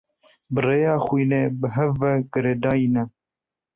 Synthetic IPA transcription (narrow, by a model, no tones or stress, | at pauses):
bəreːjɑːxʷiːneːbəɦɛvːɛɡ̥əɾeːd̪ɑːinɛ